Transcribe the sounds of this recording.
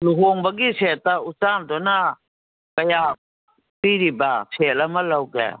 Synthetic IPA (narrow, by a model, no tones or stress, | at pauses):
luɦoŋbaɡisɛt̪ausandɔna | kɐja | piɾibasʰɛlamalawɡɛ̰